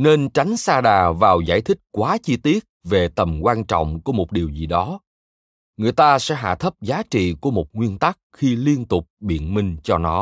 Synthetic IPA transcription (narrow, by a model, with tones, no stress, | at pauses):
ne˧nt͡ɕa˨˦jŋ̟saː˧ɗaː˨˩vaː˨˩wza̰ː˧˩jt̪ʰï˦˥k̟̚kwaː˨˦t͡ɕi˧t̪i˦˥ət̚ve˨˩t̪ə˨˩mkwaː˧nt͡ɕɔ̰˧˨wŋ͡mku˨˧˦əmo˨˩t̚ɗi˨˩əwzi˨˩ɗɔ˨˦ | ŋɨ˨˩əjt̪aː˧sɛ̰˧˥ɦa̰ː˧˨t̪ʰə˦˥p̚zaː˨˦t͡ɕḭ˧˨ku˧˩əmo˨˩t̚ŋwi˧ənt̪a˦˥k̚xi˧li˧ənt̪ʊ˨˩k͡p̚ɓḭ˧˨ənmï˧ŋ̟t͡ɕɔ˧nɔ˨˦